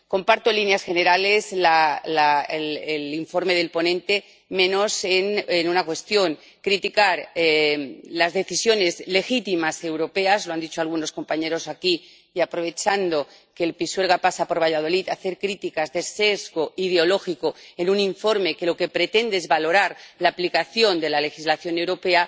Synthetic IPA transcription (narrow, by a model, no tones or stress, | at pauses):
ko̞mpaɾt̪oelinjasxe̞neɾale̞zlalaeleliɱfo̞ɾme̞ðe̞lpo̞nẽnt̪e̞ | mẽ̞no̞senenunakwe̞st̪jo̞ŋ | kɾit̪ikaɾelazðe̞θisjo̞ne̞zle̞xit̪imase̞wɾo̞pe̞azloand̪it͡ʃoalɣ̞uno̞sko̞mpaɲe̞ɾo̞saki | iapɾo̞β̞e̞t͡ʃand̪o̞ | ke̞ːlpiswe̞lɣapasapo̞ɾβ̞aʝað̞o̞lit̪aθe̞ɾkɾit̪ikazðe̞sezɣoið̞eo̞lo̞xikoe̞nuniɱfo̞ɾme̞ke̞lo̞ke̞pɾe̞t̪e̞nd̪eezβalo̞ɾaɾlaːplikaθjo̞nd̪e̞lale̞xizlaθjo̞ne̞wɾo̞pe̞a